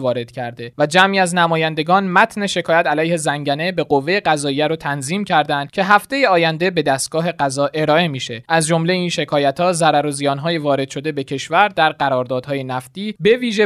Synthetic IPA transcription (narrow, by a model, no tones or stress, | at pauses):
vɒːɾe̞d̪̥cʰæɾd̪e̞væd͡ʒæmiːæznæmɒːjænd̪e̞ɡɒːnmæt̪ʰne̞ʃe̞kʰɒːjæt̪ʰælæjhe̞zæŋɟæne̞be̞ɢo̞vːe̞jeɢæzɒːijæɾot̪ʰænziːmcʰæɾd̪ænd̪̥̚cʲʰe̞ɦæft̪e̞jeɒːjænd̪e̞be̞d̪æst̪̚ɡ̥ɒːɦe̞ɢæzɒːʔe̞ɾɒːe̞miːʃe̞ʔæzd͡ʒo̞mle̞iːnʃe̞kʰɒːjæt̪hɒːzæɾæɾozijɒːnɦɒːjevɒːɾe̞d̪ʃo̞d̪e̞be̞cʰe̞ʃvæɾd̪æɾɢæɾɒːɾd̪ɒːd̪̥hɒːje̞næft̪iːbe̞viːʒe